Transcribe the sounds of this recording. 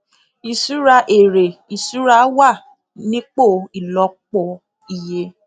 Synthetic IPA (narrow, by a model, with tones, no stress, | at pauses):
i˨su˨˦ɾa˧ʔe˨ɾe˨i˨su˨˦ɾa˧˦wa˦˨ | nĩ˦k͡po˦˨i˨lɔ˧˦k͡pɔ˨ | i˨je˧˦